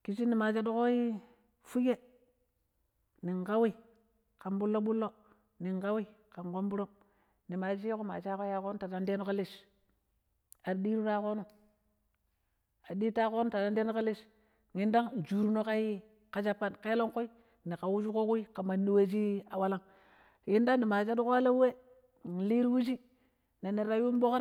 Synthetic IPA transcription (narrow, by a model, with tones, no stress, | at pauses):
ki˨si˦ni˨ma˨t͡ʃa˦do˦ko˦i˦ | fu˦ɡe˦ | ni˨ŋka˦wi˦ | ka˨nbu˦lːo˦ɓu˦lːo˦ | ni˨ŋka˦wi˦ka˨ŋko˦mbu˦ɾo˦m | ni˨ma˨d͡ʒi˦ko˦ma̰˨t͡ʃa˦ko˦ja˦˨ko˦n˦ta˨da˦nde˦no˦ka˦li˦s | a˨di˦ɾu˦ɾa˦ko˦nu˦ | a˨di˦ta˦ko˦no˦ta˨ta˦n˦de˦no˦ka˦li˦s | ŋi˦nda˦ŋ˨d͡ʒu˨ɾu˦no˦ka˦hi˦ | ka˦d͡ʒa˦pːa˦nke˦lo˦ŋko˦i˦ | ni˨ka˨wu˦d͡ʒu˦ko˦ku˦i˦ka˨ma˨ni˦we˦d͡ʒi˦a˨wa˦la˦ŋ | ji˦nda˦nni˨ma˨t͡ʃa˦du˦ka˦lo˦we˦˨ | li˦ɾwu˦d͡ʒi˦ | ne˨ni˨ɾa˨ju˦m˦bo˦kɾ